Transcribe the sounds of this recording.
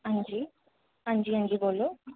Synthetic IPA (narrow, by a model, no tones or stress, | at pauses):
ɐɲd͡ʒi | ɐɲd͡ʒiɐɲd͡ʒiɡolu